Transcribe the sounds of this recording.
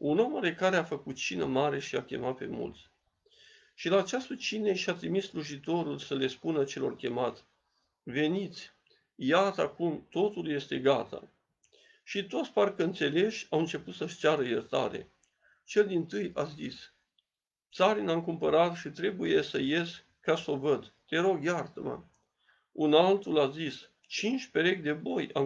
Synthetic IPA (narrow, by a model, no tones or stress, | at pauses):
unomaɾe̞kaɾeafəkut̪̚t͡ʃinə̰maɾe̞ʃiakʲe̞̰mat̪̚pe̞̰mṵlt̪sʲ | ʃilaːt͡ʃast̪ət͡ʃineʃiat̪ɾimisːluʒit̪o̞ɾulsəle̞spunət͡ʃe̞lo̞rkʲe̞mat̪sʲ | ve̞nit̪sʲ | jat̪əakumt̪o̞t̪ulje̞st̪e̞ɡat̪ʰa̰ | ʃit̪o̞t̪sʲparkəɨnt̪se̞le̞ʃʲawɨnt͡ʃe̞put̪səʃt͡ʃaɾəjert̪a̰ɾe̞̰ | t͡ʃe̞ld̪int̪ɨjazis | t̪saɾinaŋkumpəɾat̪ʃit̪ɾe̞buje̞səje̞s | kaso̞vəd̪t̪e̞ɾo̞ɡjart̪əma̰ | unalt̪ulazis | t͡ʃint͡ʃʲpe̞ɾe̞kʲd̪e̞bo̞ja̰